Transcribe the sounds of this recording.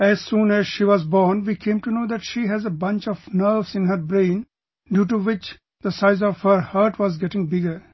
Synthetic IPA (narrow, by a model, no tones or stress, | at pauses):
æz̥sũːnæz̥ʃiːʋɔzbɔːɾnʋiːkʰẽːmʈunoːd̪æʈʃiːɦæzebʌ̃nt͡ʃɔʋnəɾʋzɪ̃nɦəɾbɾẽɪn | ɖjuːʈuʋɪt͡ʃ | d̪̥əsaɪzɔʋhəɾhaːɾʈʋɔzɡɛʈɪ̃ŋbɪɡəɾ